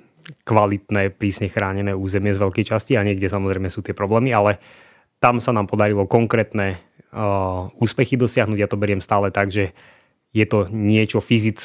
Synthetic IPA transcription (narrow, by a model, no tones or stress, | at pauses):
kʋalit̪nɛːpɾiːsɲɛxɾaːɲɛnɛːuːzɛmɪɛzʋɛʎkɛjt͡ʃasciaɲɪɛɡɟɛsamɔzɾɛɪmɛsuːt̪ɪɛpɾɔblɛːmialɛ | t̪amsanaːmpɔd̪aɾilɔkɔŋkɾɛːt̪nɛ | uːspɛxid̪ɔsɪaɦnuːɟjat̪ɔbɛɾɪɛmst̪aːlɛt̪aɡʒɛ | jɛt̪ɔɲɪɛt͡ʃɔfizit͡s